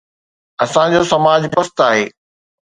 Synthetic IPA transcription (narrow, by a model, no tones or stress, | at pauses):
ɐsãd͡ʑoːsɐmaːd͡ʑbɐst̪aːɦeː